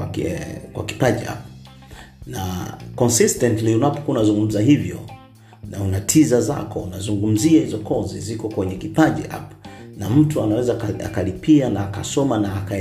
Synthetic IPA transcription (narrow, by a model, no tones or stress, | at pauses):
kwa̰ki̥paʄia̰p̚ | nakɔnsistɛntliunapɔ̥kuunazuŋɡum̩zahivjɔ̰ | naunatʰizaza̰kʰɔunazuŋɡum̩ziahizɔkɔzizikɔkwɛɲɛkipaʄḭʔa̰pnam̩tuanawɛzakaa̰kalipianaːkasɔmanaːka